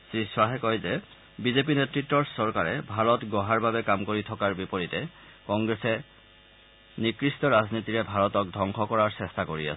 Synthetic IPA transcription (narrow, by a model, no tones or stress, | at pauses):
sɹiswaɦɛkɔjzɛ | bizep̬inetɹitːɔɹsɔɹkaɹɛ̰bʱaɹɔtɡɔɦaɹbʱabɛkamkoɹitʰɔkaɹbipoɹitɛ | kɔŋɡɹɛsɛ | nikɹistɔɹaznitiɹɛbʱaɹɔtɔk̚dʱɔŋkʰɔkɔɹaɹsɛstakoɹḭa̰s